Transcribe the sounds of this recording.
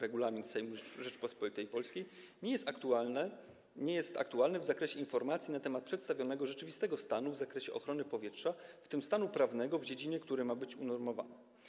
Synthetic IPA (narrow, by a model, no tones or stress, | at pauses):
ɾɛɡulamʲinsɛjmuʐɛt͡ʂpɔspɔlit̪ɛjpɔlskʲejɲɛjɛst̪akt̪uanɛ | ɲɛjɛst̪a̰k̚t̪ualnɛvzakɾɛɕɛinfɔɾmat̪sʲjinat̪ɛmat̪̚pʂɛt̪st̪avʲjɔnɛɡɔʐɛt͡ʂɘvʲist̪ɛɡɔst̪anuvzakɾɛɕɛʔɔ̰xɾɔnɘpɔvʲjɛtʂaft̪ɘmst̪anupɾavnɛɡɔvd͡ʑed͡ʑiɲɛkt̪uɾɘmabɘt͡ɕunɔɾmɔva̰nɛ